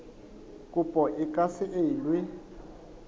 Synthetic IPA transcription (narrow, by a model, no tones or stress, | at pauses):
kʼupʼɔʔɪkʼasɪʔelwɪ